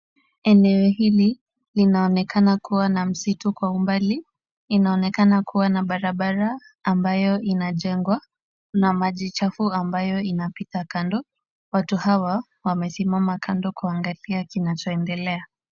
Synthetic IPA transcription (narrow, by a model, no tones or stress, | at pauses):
ɛnɛɔhili | linaɔnɛkanakuwanam̩situkwaumbali | inaɔnɛkanakʰuwanaɓaɾaɓaɾaː | mbajɔʔinaʄɛŋɡwa | namaʄit͡ʃafuambajɔinapitakandɔ | watuhawa | wamɛsimamakʰandɔkuaŋɡaliakinat͡ʃɔɛndɛlɛa